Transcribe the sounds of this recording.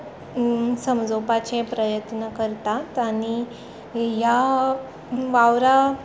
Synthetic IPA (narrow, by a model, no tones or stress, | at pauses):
səmd͡zopat͡ɕepɾəjət̪nəkəɾt̪at̪aɽ̃i | ja | ʋaʋɾa